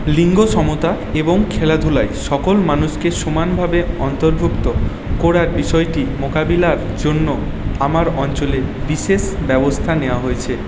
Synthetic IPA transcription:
liŋɡoʃɔmot̪a | eboŋkʰelad̪ʱulaeʃɔkolmanuʃkeʃumanbʱabeɔnt̪oɾbʱukt̪o | koɾaɾbiʃɔeʈimokabilaɾ | d͡ʑonːo | amaɾɔnt͡ɕolebiʃeʃbɛbost̪ʰaneoaɦoet͡ɕʰe

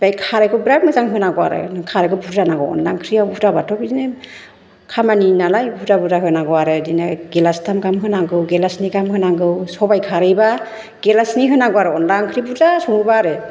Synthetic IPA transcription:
bajkʰaɾajkʰɔbɾak̚mɯzaŋɦɯnaɡɔwaɾɯ̰kʰaɾajkʰɔbuɾzanaɡɯ̰wɔ̰nlaŋkʰɾiawbudabatʰɔbizne | kʰamaninalajbudabudaɦɯnaɡɔwaɾɯdinaɡelastʰamɡamɦɯnaɡɯwɡelasniɡamhɯnaɡɯwsɔbajkʰaɾɯjba | ɡ̥elasniɦɯnaɡɔwaɾɯɔnlaŋkʰɾibuzasuŋɯbaɾɯ

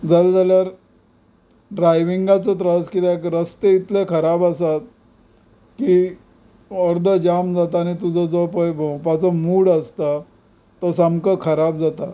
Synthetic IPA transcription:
d͡zald͡zaljaɾ | ɖɾajʋiŋɡat͡sət̪ɾəskit̪eekɾəst̪eit̪lekʰəɾabəsat̪̚ | ki | ɔɾd̪ʱəd͡ʑamd͡zat̪aːnit̪ud͡zʱəd͡zɔpəjbʱõwpat͡səmuɽəst̪a | t̪əsamkəkʰəɾabd͡zat̪a

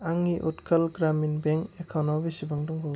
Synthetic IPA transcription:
aŋiʔutkʰalɡɾaminbeŋekʰawnawbisibaŋdɔŋbɔw

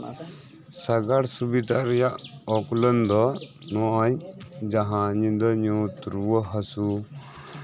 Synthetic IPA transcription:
saɡaɽsubid̪aɾɛjaʔɔklənd̪ɔnɔʔɔɲd͡ʒaɦãɲid̪əɲũt̪ɾuwəɦəsu

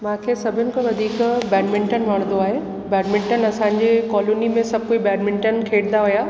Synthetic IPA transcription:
mãːkʰeːsɐbʱɪnɪ̆kʰõʋɐd̪ʱiːkbɛːɖmɪ̃ɳʈənʋɐɽ̃d̪oaːɦeː | bɛːɖmɪ̃ɳʈənɐsãɲd͡ʑekɔːloːnimẽsɐb̚ʱkoibɛːɖmɪ̃ɳʈənkʰeːɽɪnd̪aɦʊjaː

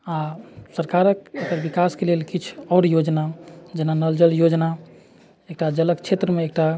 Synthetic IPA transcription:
asəɾkaɾəkekəɾbikaskelelkit͡ʃʰɔʊɽjod͡ʒnad͡ʒenanəld͡ʒəljod͡ʒna | ek̚ʈad͡ʒələkt͡ʃʰet̪ɾəmeek̚ʈa

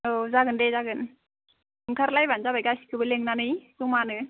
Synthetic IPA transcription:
ozaɡɯndezaɡɯn | ɯŋkʰaɾlajbanzabakasi̥kʰɯbɯleŋnanɯjsuŋmanɯ

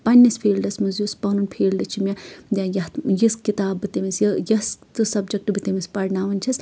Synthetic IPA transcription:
pɐnʲːispʰiːlɖɐsmuzjuspɐnunpʰeːlɖɐt͡ʃʰimʲɐd̪ʲɐjɐjiskit̪aːbːɨt̪imisjɐjɐst̪ɨsɐbd͡ʒɐk̚ʈɨbɨt̪imispɐɾnaːʋɐnʲt͡ʃʰɐs

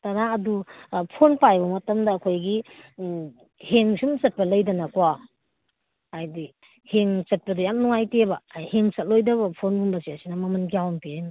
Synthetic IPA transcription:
tɐɾaɐdupʰonpajbɐmɐtɐmdɐːkʰojɡi | heŋsumt͡ʃɐt̚pɐlɐjdɐnakwa | jdi | heŋt͡ʃɐt̚pɐdujamnuŋajtebɐjheŋt͡ʃɐt̚lojdɐβɐpʰonbumbɐsiasinɐmɐmɐnkijawnpiajn

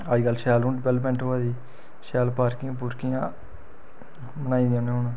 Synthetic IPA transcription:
aːd͡ʒkəlːʃɛːlũːɖɪʋɛləpmɛ̃ːɳʈɦoːaːd̪iː | ʃɛːlpaːɾkɪãp̬ʊɾkijãː | mənaːĩd̪ɪjãːnẽːɦoːnãː

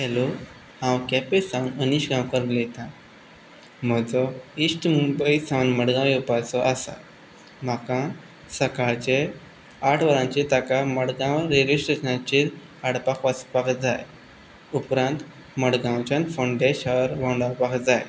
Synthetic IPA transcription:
kɛlo | hãwkɛpesãwnəniɕɡãwkəɾlet̪ã | m̤əd͡zɔisʈmubəisãwnməɽɡãʋupasɔʔasa̰ | m̤akã | səkaɭt͡ɕe | aʈʰʋəɾãɲt͡ɕet̪akaməɽɡãwɾed͡ʑisʈɾeɕənãt͡ɕiɾ | aɽpakʋaspakd͡zaj | upɾãnt̪ | məɽɡãwt͡ɕãnfəɳɖeɕaɾʋãɳɖapakd͡zaj

